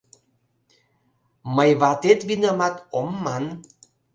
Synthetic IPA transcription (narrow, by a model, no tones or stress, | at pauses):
məjβat̪et̪βinamak̪omːan